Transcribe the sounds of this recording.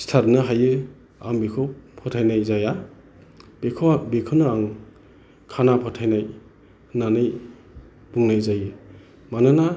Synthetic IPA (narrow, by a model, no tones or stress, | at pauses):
stʰatnɯɦajɯ | a̰mbekʰɯpʰɔtʰajnajzaja | bekʰbekʰɯnɯaŋ | kʰanapʰɔtʰajnaj | nanɯj | b̥uŋnajzajɯ | manɯna